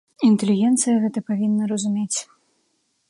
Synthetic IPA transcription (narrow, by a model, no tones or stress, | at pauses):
int̪ɛlʲiɣʲɛnt̪sɨjɐɣɛt̪ɐpavʲinːɐɾɐzumʲet͡sʲ